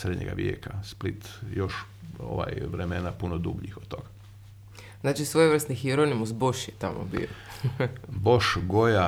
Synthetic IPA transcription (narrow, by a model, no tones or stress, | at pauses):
sɾed̪ɲeɡa̰ʋjḛkasplit̪jo̞ʃ | o̰ʋa̰jʋɾemenapunod̪ubʎixot̪̚t̪ːo̞ɡa | znaːt͡ʃisʋojeʋər̩st̪nixiɾonimusboʃjet̪amʔo̰bḭo | bo̞ʃɡoja